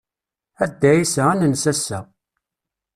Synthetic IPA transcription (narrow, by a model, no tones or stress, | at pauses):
æd̪ːæjisæænənsæsæ